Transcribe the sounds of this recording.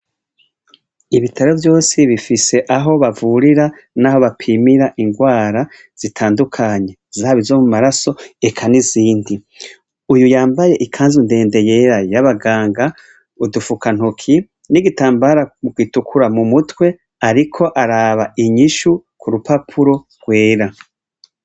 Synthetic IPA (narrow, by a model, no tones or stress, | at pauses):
iβitʰaɾo̞vjo̞ːsiβifise̞ʔaɦo̞βavuɾiɾa | naɦo̞βapʰimiɾaʔiŋɡwaːɾa | z̥itʰaːndukʰaɲe̞zaːβizo̞mumaɾaso̞ekʰaniziːndi | ujujaːmbaje̞ʔikʰaːnzunde̞ːnde̞je̞ɾajaβaɡaːŋɡa | udufukʰan̥hukʰi | niɡitaːmbaɾaɡwiːtukʰuɾamumutwe̞ | aɾikʰo̞ʔaɾaːβaiɲiʃukʰuɾupapʰuɾo̞ | ɡ̥weːɾa